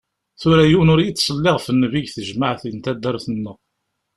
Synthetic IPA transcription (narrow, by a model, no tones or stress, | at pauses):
θʊɾæjunʊɾjit͡sːsˤəlːɪʁfənːəviʝθəʒmaʕθint̪æd̪ːæɾθənːəʁ